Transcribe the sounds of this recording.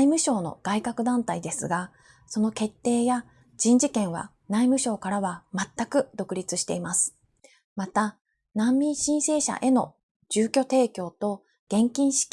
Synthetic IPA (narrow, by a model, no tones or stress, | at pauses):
imɯ̟ɕo̞ːno̞̰ɡ̥aikakɯ̟d̪ãnt̪aid̪e̞sɨɡa | so̞no̞ke̞t̪ːe̞ːja | d͡ʑĩɲ̟d͡ʑikẽ̞ɰ̃βa̰ | naimɯ̟ɕo̞ːkaɾaβamat̪ːakɯ̟d̪o̞kɯ̟ɾʲit͡sɨɕi̥t̪e̞imasɨ̥ | mat̪a | nãmːʲĩɰ̃ɕĩɰ̃se̞ːɕa̰ʔe̞no̞ | ʑɨːkʲo̞t̪e̞ːkʲo̞ːt̪o̞ | ɡ̥ẽ̞ŋkʲĩɰ̃ɕi̥kʲ